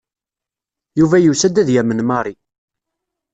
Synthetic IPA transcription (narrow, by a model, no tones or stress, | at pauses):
juvæjusæd̪æðjæmənmɑɾˤi